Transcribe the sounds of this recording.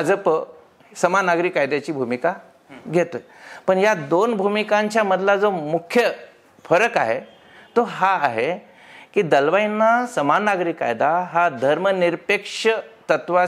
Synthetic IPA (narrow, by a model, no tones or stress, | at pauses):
ad͡zəpə | səmanaɡɾikːajd̪jat͡ɕiːbʱumika | ɡʱet̪ə | pəɳjad̪onbʱumikãɲt͡ɕjaməd̪ʱlad͡zomukʰːjə | fəɾəkaɦe | t̪oɦaːɦe | kiːd̪əlʋainːasəmanːaɡɾikːa̰jd̪aɦad̪ʱəɾməniɾpekʂət̪ət̪ʋa